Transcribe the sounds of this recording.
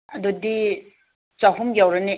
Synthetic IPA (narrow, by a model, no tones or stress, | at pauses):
ɐdudi | t͡ʃaɦumjawɾɐni